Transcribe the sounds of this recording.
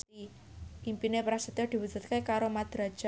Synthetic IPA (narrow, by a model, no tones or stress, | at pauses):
i | ʔimpinepɾasət̪ɔd̪̥i̤wudd͡ʒ̪̥ṳt̪̚kekaɾomad̪̥ɾad̥ʒ̥